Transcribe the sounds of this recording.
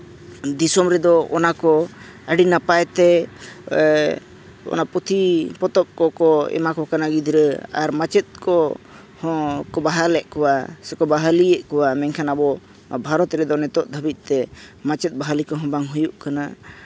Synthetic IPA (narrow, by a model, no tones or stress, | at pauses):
d̪isɔmɾɛd̪ɔɔnakɔ | əɖinapajt̪ɛ | ɔ̰naput̪ʰipɔt̪ɔp̚kɔkɔɛ̰makɔkanaɡid̪ʱiɾəa̰ɾmat͡ʃɛt̪̚kɔ | hɔkɔbaɦalɛʔkɔwasɛkɔbaɦaliɛʔkɔwamɛŋkʰanabɔ | bʱaɾɔt̪ɾɛd̪ɔnɛt̪ɔʔd̪ʱəbit̪̚ˀt̪ɛmat͡ʃɛt̪̚baɦalikɔɦɔ̃baŋɦujuʔkana